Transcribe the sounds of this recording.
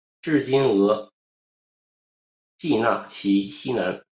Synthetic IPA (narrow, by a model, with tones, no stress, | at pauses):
ʈ͡ʂɻ̩˥˩t͡ɕi˥nɤ˧˥ | t͡ɕi˥˧na̰˥˩t͡ɕʰi˧˥ɕi˥na˧˥n